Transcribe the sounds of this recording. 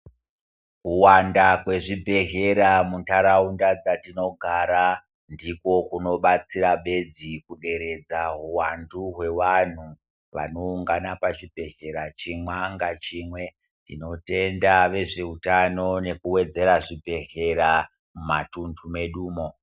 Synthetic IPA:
kuwandakwe̞ʐibʱe̞ɦe̞ɾamuntaɾaundad͡zatino̞ɡʱaɾa | ndiko̞kuno̞ɓat͡siɾaɓe̞d͡zikuɗe̞ɾe̞d͡zaɦuwanduɦwe̞ʋan̤u | ʋa̰no̞uŋɡanapat͡ʃibʱe̞ɦe̞ɾat͡ʃimwaŋɡat͡ʃimwe̞ | tino̞te̞ndaʋe̞ʐeutano̞ne̞kuwe̞d͡ze̞ɾaʐibʱe̞ɦe̞ɾa | mumatuntʰume̞ɗuːmo̞

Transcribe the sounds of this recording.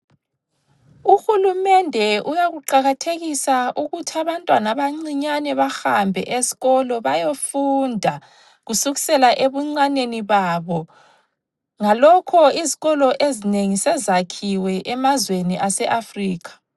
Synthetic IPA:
uxulumɛndʱɛujaɣuǃaɣatʰeɣisaʔuɣutʰiaβantʼwanaβaŋ͡ǀiɲanɛβahambʱɛ̰ʔezi̥ɣɔlɔβajofundʱa | ɣusuɣisɛlaʔeβuŋ͡ǀaneniβaβɔ | ŋalɔkʰɔiziɣɔlɔʔezineŋisɛzakʰiwɛʔɛmazweniʔasɛʔafriːkʰḁ

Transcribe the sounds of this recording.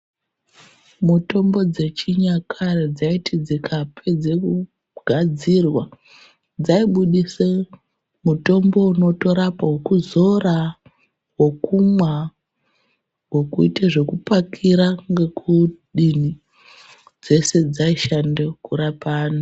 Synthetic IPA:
muto̞mbo̞d͡ze̞t͡ʃiɲakʰared͡zaitid͡zekʰapʰe̞d͡zeku | ɡ̥ʱad͡zirwa | d͡zaiɓuɗise | muto̞mbo̞uno̞to̞ɾapaɦwokuzo̞ra | wo̞kumwa | wo̞kuiteʐe̞kupakʰiɾaŋɡe̞kuɗini | d͡ze̞se̞d͡zaiʃandekuɾapaːno

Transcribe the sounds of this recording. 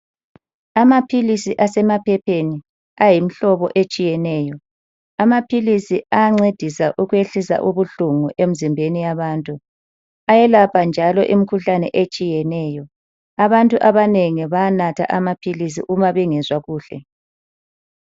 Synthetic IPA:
amapʰilisiʔasɛmapʰɛpʰeni | ajim̩ɬɔβɔʔet͡ʃʼijɛnɛːjɔ | amapʰilisiʔaŋ͡ǀed̥ʱisaʔuɣweɬisa̰ʔuβuɬuŋuʔem̩zimbʱenijaβaːntʼu | ajɛlapʰand͡ʒʱalɔʔimikʰuɬanɛʔet͡ʃʼijɛnɛːjɔ | aβantʼuʔaβaneŋiβajanatʰa̰ʔamapʰilis̬ḭʔumaβɛŋɛzwaɣuːɬɛ̰

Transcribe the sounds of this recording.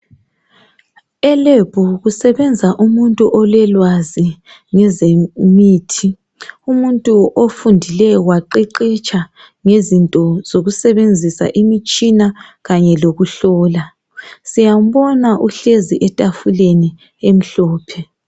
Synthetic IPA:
ɛleb̥ʱuɣusɛβɛnd͡zʱaʔumuntʼuʔɔlɛlwazi | ŋɛzemiːtʰi | umuntʼuʔofundʱilɛwaǃiǃit͡ʃʼa | ŋezintʼɔz̥oɣusɛβend͡zʱisa̰ʔimit͡ʃʼinaɣaɲɛloɣuɬɔːla | sijam̩βɔnaʔuɬeziʔɛtʼafuleni | em̩ɬɔːpʰɛ

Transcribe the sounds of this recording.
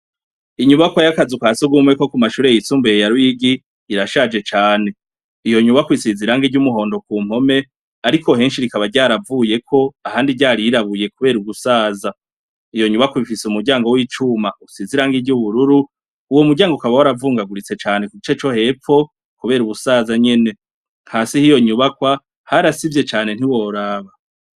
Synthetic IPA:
iɲuβakwajakazukaːsuɡumeko̞kumaʃuːɾejisuːmbejaɾujiɡi | iɾaʃad͡ʒe̞t͡ʃaːne̞ | ijo̞ɲuβakwisiziɾaŋɡiɟumuɦo̞ːndo̞kuːm̥o̞me̞ | aɾikʰo̞ɦe̞ːnʃiɾikaβaɾɟaːɾavuːje̞kʰo̞ahaːndiɟaːɾiiɾaβuje̞kuβe̞ːɾuɡusaːza | ijo̞ɲuβakwaβifiseumuɾɟaːŋɡo̞wiːt͡ʃumausiziɾaŋɡiɟuβuɾuɾu | uwomuɾɟaːŋɡoukaβawaɾavuːŋɡaɡuɾit͡se̞t͡ʃaːne̞kuɡit͡ʃe̞t͡ʃo̞he̞p͡ffo̞ | kuβe̞ːɾuβusaːzaɲe̞ne̞ | ŋ̥haːsihijo̞ɲuβakwa | haɾasivje̞t͡ʃaːne̞n̥iwo̞ɾaːβa

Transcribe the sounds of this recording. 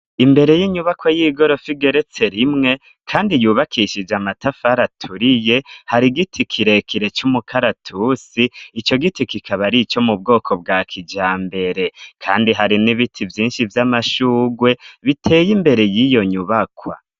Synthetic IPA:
imbe̞ɾe̞jiɲuβakwajiːɡo̞ɾo̞fiɡe̞ɾe̞t͡se̞ɾimŋe̞ | kʰaːndijuːβakʰiʃid͡ʒamatafaɾatʰuɾije̞haɾiɡitʰikʰiɾe̞kʰiɾe̞t͡ʃumukʰaɾatʰusiːt͡ʃo̞ɡitikikʰaβaɾit͡ʃo̞mub̚ɡo̞ːkʰo̞b̚ɡaːkʰid͡ʒaːmbe̞ɾe̞kʰa̰ːndiɦaɾiniβitʰivjiːnʃivjamaʃuːɡwe̞βitʰe̞ːjimbe̞ɾe̞jijo̞ɲuβakwa̰

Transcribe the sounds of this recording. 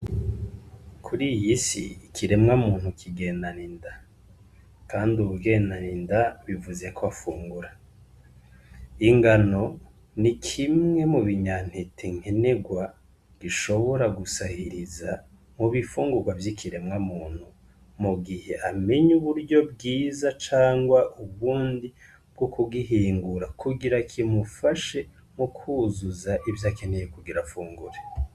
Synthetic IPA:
kʰuɾijisḭikʰiɾe̞mŋamuːn̥hukʰiɡe̞ːndaninda | kʰaːnduuɡenanindaβivuze̞kʰoafuːŋɡuɾa | iŋɡano̞ | nikʰimŋe̞muβiɲan̥hetʰeŋ̥he̞ne̞ɡwa | ɡ̥iʃo̞βo̞ɾaɡusahiɾiza | muβifuːŋɡuɾɡwavjikʰiɾe̞mŋamuːn̥hu | muɡihe̞ʔame̞ɲuβuɾɟo̞bɡiːzat͡ʃaːŋɡwaʔuβuːndi | b̥̚ɡ̥okuɡiɦiːŋɡuɾakʰuɡiɾakʰimufaʃe̞ | mukʰuzuzaʔivjaːken̥ejekuɡiɾafuːŋɡuɾe

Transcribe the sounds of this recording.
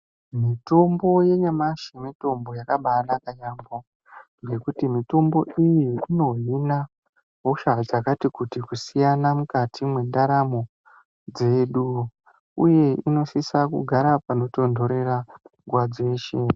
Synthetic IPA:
mito̞mbo̞je̞ɲamaʃimito̞mbo̞jakaɓanakaɲambo | ŋɡe̞kutimito̞mbo̞ʔijiino̞ɦina | ɦoʃad͡zakatikutikusijanamukatʰimwendaɾamo̞ | d͡ze̞ɗu | uje̞ino̞sisakṵɡʱaɾapano̞to̞ndo̞ɾe̞raŋɡwad͡zeːʃe

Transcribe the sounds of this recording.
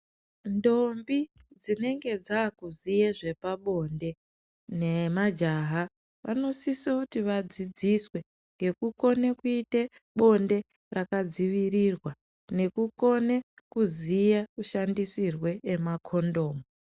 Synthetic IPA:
ndo̞mbid͡zine̞ŋɡe̞d͡zakuzijeʐe̞paɓo̞nde̞ | nemad͡ʒaɦa | ʋano̞sisekutiʋad͡zid͡ziswe̞ | ŋɡe̞kuko̞nekuite | ɓo̞nde̞ | rakad͡ziʋirirwa | ne̞kuko̞ne | kuzijakuʃandisirwe̞ːmakʰo̞ndo̞ːmu

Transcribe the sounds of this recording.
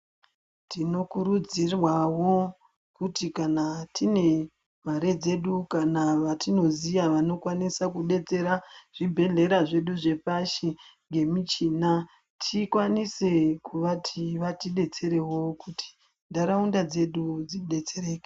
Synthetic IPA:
tino̞kuɾud͡zirwawo̞ | kutikanatʰine̞ | m̤aɾe̞d͡ze̞ɗukanaʋatino̞zijaʋano̞kwanisakuɗe̞t͡se̞ɾaʐ̥ibʱe̞ɮe̞ɾaʐeɗuʐe̞paʃiŋɡe̞mit͡ʃina | tʰikwanise̞kuʋatʰiʋatiɗe̞t͡se̞ɾe̞wo̞kutʰi̥ | ndaɾaundad͡ze̞ɗud͡ziɗe̞t͡se̞re̞ːke̥

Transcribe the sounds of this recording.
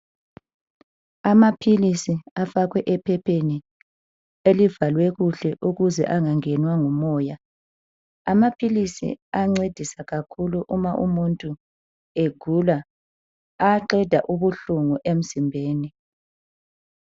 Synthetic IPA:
amapʰilisiafaɣwɛʔɛpʰɛpʰeni | elivalwɛɣuɬɛʔuɣuzɛ̰ʔaŋaŋɛnwaŋumɔːja | amapʰilisḭaŋ͡ǀed̥ʱisaɣakʰuluʔumaʔumuntʼu | eɡ̥ʱuːla | aǃɛd̥ʱaʔuβuɬuŋuʔem̩zimbʱeːni

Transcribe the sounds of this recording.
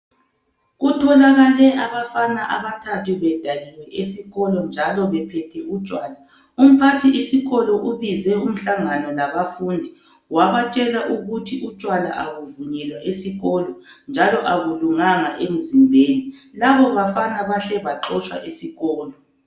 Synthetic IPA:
ɣutʰɔlaɣalɛʔaβafanaʔa̰βatʰatuβɛd̥ʱaliwɛʔesiɣɔlɔnd͡ʒʱalɔβɛpʰɛtʰɛut͡ʃʼwaːla | um̩pʰatʰiisiɣɔlɔʔuβizɛum̩ɬaŋanɔlaβafundʱi | waβat͡ʃʼɛlaʔuɣutʰiut͡ʃʼwala̰ʔaɣuvuɲɛlwaʔesiɣɔlɔnd͡ʒʱalɔʔaɣuluŋaŋaʔem̩zimbʱeːnilaβɔβafanaβaɬɛβaǃɔt͡ʃʼwa̰ʔesiɣɔːlɔ

